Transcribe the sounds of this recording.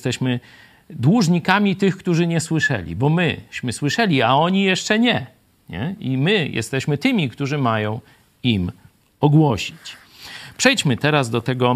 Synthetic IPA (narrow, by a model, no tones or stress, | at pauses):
st̪ɛɕmɘ | d̪wuʐɲikamʲit̪ɘxkt̪uʐɘɲɛswɘʂɛ̰lʲḭbɔmɘɕmɘswɘʂɛlʲiaɔɲijɛʂt͡ʂɛɲɛ | ɲɛ̰imɘjʔɛ̰st̪ɛɕmɘt̪ɘmʲikt̪uʐɘmajɔ̃w̃ | im | ɔɡwɔɕit͡ɕ | pʂɛjt͡ɕmɘt̪ɛɾazd̪ɔt̪ɛɡɔ